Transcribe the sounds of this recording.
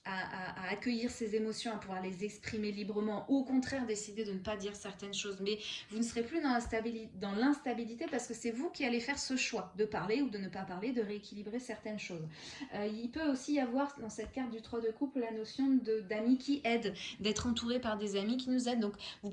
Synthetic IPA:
aaaːkʲəjiʁsezemɔsjɔ̃apuvwaʁlezɛkspχimelibʁəmɑ̃ʔuokɔ̃t̪χɛʁd̪esid̪ed̪ənəpad̪iʁsɛʁt̪ɛnʃozmɛvunəsəʁeplyd̪ɑ̃d̪ɑ̃lɛ̃st̪abilit̪epaʁsə̥kəsɛvukʲialefɛʁsəʃwad̪əpaʁleud̪ənəpapaʁled̪əʁeekʲilibʁesɛʁt̪ɛnʃozøilpøosiavwaʁd̪ɑ̃sɛt̪̚kaʁt̪̚d̪yt̪χwad̪əkupllanɔsjɔ̃d̪əd̪amikʲiʔɛd̪d̪ɛt̪χɑ̃t̪uʁepaʁd̪ezamikʲinuzɛd̪̚ːɔ̃kvu

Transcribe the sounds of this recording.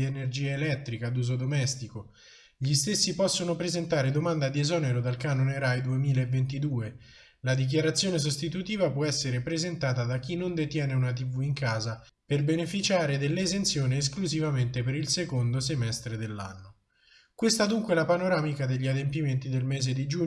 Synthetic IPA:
enerd͡ʒiːaelɛt̪ːɾikad̪uːzod̪omɛst̪iko | ʎist̪esːipɔsːonopɾezent̪aːɾed̪omand̪ad̪iezɔːneɾod̪alkaːnoneɾajd̪uemiːlaevːent̪id̪uːe | lad̪ik̬jaɾat̪sːjoːnes̬ost̪it̪ut̪iːvapwɔɛsːeɾepɾezent̪aːt̪ad̪ak̟ːinːond̪et̪jɛːneunat̪̬ivuiŋkaːza | perbenefit͡ʃaːɾed̪elːezent̪sjoːneːs̬kluzivament̪epeɾilsekond̪os̬emɛst̪ɾed̪elːa̰nːo | kwest̪ad̪uŋkwelapanoɾaːmikad̪eʎːiad̪empiment̪id̪elmɛːzed̪id͡ʒu

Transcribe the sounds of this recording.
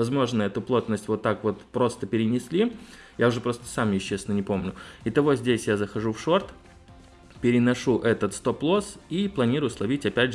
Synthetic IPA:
vɐzmo̞ʐnəɛt̪ʊplˠo̞t̪nəsʲtʲvo̞t̪ːakvo̞t̪pɾo̞st̪əpʲɪɾʲɪnʲɪsʲlʲi | jaʊʐɛpɾo̞st̪ə̥samjɪɕːesnənʲɪpo̞mnʲʊɪt̪ɐvo̞zʲdʲesʲjazəxɐʐufʂo̞rt̪ | pʲɪɾʲɪnɐʂuʔɛt̪ət̪st̪o̞plˠo̞siplˠɐnʲiɾʊjʊslˠɐvʲitʲɐpʲædʲʐ

